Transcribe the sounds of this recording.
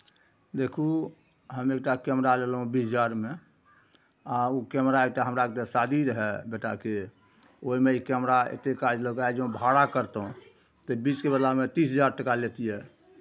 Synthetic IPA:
d̪ekʰu | ɦəmek̚ʈakɛmɾaleləɦũbisd͡ʒaɾme | aukɛmɾaek̚ʈaɦəmɾaekʈasad̪ʱiɾəɦɛbeʈake | oɦimeikɛmɾaḛt̪ekad͡ʒləkaed͡ʒeũbʱaɽakəɾt̪ɦũ | t̪əbit͡ʃkebəd̪lamet̪isɦəd͡ʒaɾʈəkalet̪ijɛ

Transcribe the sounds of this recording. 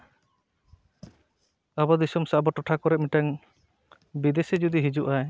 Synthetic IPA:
abɔd̪isɔmsaʔbɔʈɔʈʰakɔɾɛʔ̚miʈaŋ | bid̪esɛd͡ʒud̪iɦid͡ʒuʔaj

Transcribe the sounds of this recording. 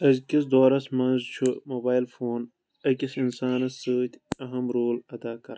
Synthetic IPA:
ɐzkis̬d̪oːɾɐsmɐnzt͡ʃʰumoːbaːjlfoːn | ɐkisinsaːnɐssəːt̪ʲɐɦɐmɾoːlɐd̪aːkɐɾ

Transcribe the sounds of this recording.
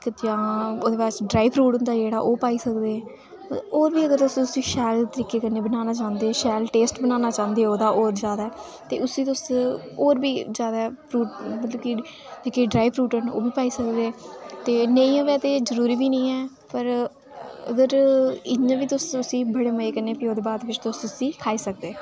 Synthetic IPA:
kjãːoːd̪eːʋaːt͡ʃɖɾaːipɾuːʈɦʊnd̪aːd͡ʒeːɽaːʔoːpaːiːsəkd̪eːɛ̃ː | oːɾbiːəɡəɾt̪ʊsĩːt̪ʊsĩːʃɛːlt̪əɾiːkeːkənːeːbənaːnaːt͡ʃãːnd̪eːɛːʃɛːlʈeːsʈbənãːnaːt͡ʃãːnd̪eːɛːoːd̪aːʔoːɾd͡ʒjaːd̪aːɛː | t̪eːʊsĩːt̪ʊs | oːɾbiːzjaːd̪aːɛpɾuːʈbət̪loːki | t̪əɾiːkeːɖɾaːipʰɾuːʈəno̰ːbiːpaːiːsəkd̪eːɛːt̪eːnə̃ĩːoːʋɛːt̪eːzəɾuːɾiːbiːnəĩːɛː | pəɾ | ə̰ɡəɾɪɲãːʋiːt̪ʊsʊsĩːbəɽeːməeːkənːeːpɪːoːd̪eːbaːd̪ʋɪt͡ʃt̪ʊssĩːkʰaːiːsək̚d̪eː

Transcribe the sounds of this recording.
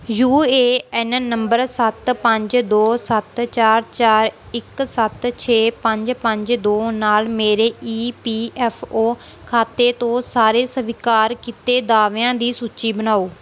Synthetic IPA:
juːeːɛnnəmbəɾsət̪pə̃ɲd͡ʒd̪oːsət̪t͡ʃaːɾt͡ʃaːɾɪksət̪t͡ʃʰeːpə̃ɲd͡ʒpə̃ɲd͡ʒd̪oːnaːlmeːɾeːʔiːpiːɛːpʰoːkʰaːt̪eːt̪õːsaːɾeːsəʋɪkaːɾkit̪eːd̪aːʋejãːd̪iːsuːtːt͡ʃiːbənaːoː

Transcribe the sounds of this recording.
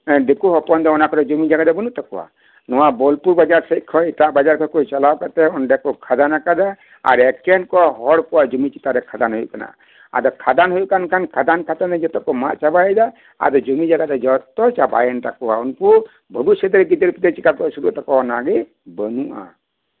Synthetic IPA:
d̪ekuɦɔpɔnd̪ɔɔnakɔɾɔd͡ʒumid͡ʒaɡad̪ɛbənuʔt̪akɔ̰wa̰ | nɔwabɔlpuɾbad͡ʒaɾsɛt̚ˀkʰɔitaʔbad͡ʒaɾkʰɔkujt͡ʃalawkat̪ɛɔnɖɛkɔkʰad̪anakad̪a | a̰ɾɛkɛnkɔɦɔɽkɔwaʔd͡ʒumit͡ʃit̪aɾɛkʰad̪anɦujṵʔkana̰ | a̰d̪ɔkʰad̪anɦujuʔkankʰankʰad̪ankʰat̪and̪ɛd͡ʒɔt̪ɔkɔma̰ʔt͡ʃabajɛd̪a | a̰d̪ɔd͡ʒumid͡ʒaɡad̪ɛd͡ʒɔt̪ɔt͡ʃaba̰jɛnt̪akɔwaunku | bʱəbisjɔd̪ɔɾɛɡid̪əɾpid̪ɛt͡ʃikap̚kɔsuɾṵʔt̪akɔɔnaɡɛ | bənuʔa̰

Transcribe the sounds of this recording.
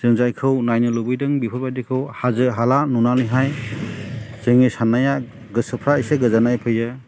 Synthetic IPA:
z̥ɯŋzajkʰɯwnajnɯlubɯjdɯŋbipʰɯɾbajdikʰɯwhazɯɦalanunanɯɦaj | z̥ɯŋisanaja | ɡɯsɯpʰɾaijseɡɯzanajpʰɯjɯ

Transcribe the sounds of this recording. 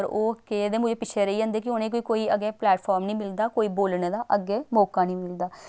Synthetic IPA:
ɾoːkeːd̪eːmʊd͡ʒeːpɪt͡ʃʰeːɾəiːd͡ʒãːnd̪eːk̬ɪʊnẽːk̬oːiːkoːiːəɡeːplɛːʈpʰɔːɾmnĩːmɪld̪aːkoːiːboːlneːd̪aːʔəɡeːmɔːkaːnĩːmɪld̪aː

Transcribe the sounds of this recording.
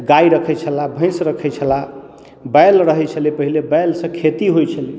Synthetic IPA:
ɡaiɾəkʰɛt͡ʃʰəlabʱə̃j̃sɾəkʰɛt͡ʃʰəla | bəjlɾəɦɛt͡ʃʰəlipəɦilebəjlsə̃kʰet̪iɦojt͡ʃʰəli

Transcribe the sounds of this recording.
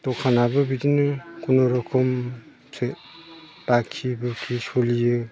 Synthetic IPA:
tɔkʰanabɯbidinɯkunɔɾɔkʰɔm | sɯ | bakʰibɯkʰisolijɯ

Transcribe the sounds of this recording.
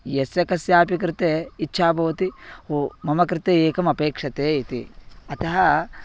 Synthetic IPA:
jesjɐkɐsjaːpik̬ɾɪt̪eitːʃʰaːbʱɐʋɐt̪ihomɐmɐkɾɪt̪eeːkɐmɐpeːkʂɐt̪eːit̪ḭɐt̪ɐɦɐ

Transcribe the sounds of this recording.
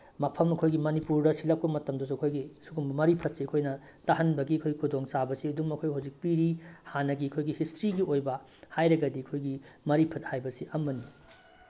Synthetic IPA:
mɐpʰɐmɐkʰojɡimɐnipuɾdɐsilɐk̚pɐmɐtɐmdɐs̬uɐkʰojɡisuɡumbɐmɐɾipʰɐt̚siɐkʰojnɐ | tahɐnbɐɡiɐkʰojɡikʰudoŋsabɐsiɐduŋmɐkʰojhawzik̚piɾihanɐɡiɐkʰojɡihistɾiɡiojbɐ | hajɾɐɡɐdiɐkʰojɡimɐɾipʰɐt̚hajbɐsiʔɐmːɐni

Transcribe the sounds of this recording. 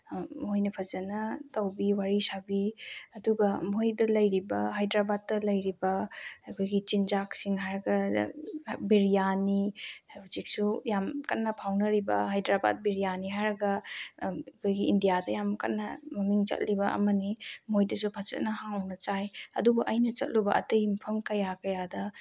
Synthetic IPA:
mojnɐpʰɐzɐnɐtɐwbiwaɾisabiɐduɡɐmojdɐlɐjɾibɐɦajdɾabad̚ːɐlɐjɾibɐɐkʰojɡit͡ʃinzaksiŋɦajɾɐɡɐ | biɾijanibuzik̚sujamkɐnːɐpʰawnɐɾibɐɦajdɾaba̰d̚biɾijaniɦaɾɐɡɐ | kʰojɡiːndijadɐjamkɐ̰tnːɐmɐmiŋt͡ʃɐ̰t̚libɐʔɐ̰mɐnimojdɐsupʰat͡ʃɐ̰t̚nɐhaŋwnɐt͡ʃajɐ̰dubɐʔɐjnɐt͡ʃɐ̰t̚lubɐʔɐ̰tejmɐpʰɐmkɐjakɐjadɐ

